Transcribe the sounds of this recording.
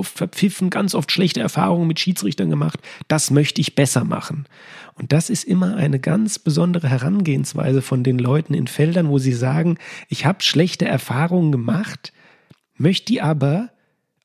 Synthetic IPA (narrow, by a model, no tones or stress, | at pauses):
ʔɔftfɛɐp͡fɪfn̩ɡ̥ant͡sʔɔftʃlɛçtəɛɐfa̰ːʁ̞ʊŋənmɪtʃiːt͡sʁ̥ɪçtɐnɡəma̰χtd̥asmœçtəɪçb̥ɛsɐma̰χn̩ | ʔʊnt̚d̥asɪstʔɪmɐʔa̰ɪnəɡa̰nt͡sb̥əzɔndəʁəɦɛʁanɡeːənsv̥a̰ɪzəfɔndeːnlɔʏtn̩ɪ̰nfɛldɐnvoːziːzaːɡŋ̩ʔɪçhaːbə̥ʃlɛçtəʔɛɐfaːʁʊŋənɡəmaχt | mœçtdiʔaːbɐ